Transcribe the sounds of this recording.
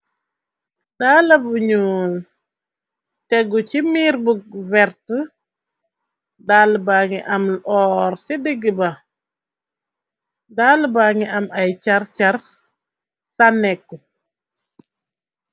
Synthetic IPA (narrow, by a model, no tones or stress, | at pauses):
dalɐbuɲuːn | tɛɡut͡ʃimiːɾbuɡ̚vɛɾtə | daːlbaːŋiʔɐmlʔɔːɾsidiɡibɐ | dalbaŋiʔɐmajt͡ʃaɾt͡ʃar | sanɛkːu